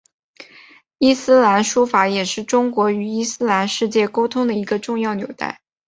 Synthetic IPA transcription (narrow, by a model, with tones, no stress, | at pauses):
i˥˩sɹ̩˥la˧˥nʂu˥fa˧˥jɛ˨˩ʂɻ̩˥˩ʈ͡ʂʊ˥ŋkwɔ˧˥y˨˩i˥˩sɹ̩˥la˧˥nʂɻ̩˥˧t͡ɕjɛ˥˩ko˥ʊt̪ʰʊ˥ŋd̪ə˨i˧˥ɡə˧ʈ͡ʂʊ˥˧ŋjɑ˥˩ʊnjo˨˩ʊt̪a̰˥˩ɪ